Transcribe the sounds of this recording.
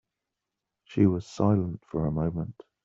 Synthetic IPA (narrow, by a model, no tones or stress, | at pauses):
ʃiwʌz̥saɪlə̃ntfə˞əmõʊ̃mə̃nt